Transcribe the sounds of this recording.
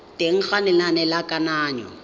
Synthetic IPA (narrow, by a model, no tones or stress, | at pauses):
tʼeŋ̩χanɪnanɛlakʼanaːɲɔ̰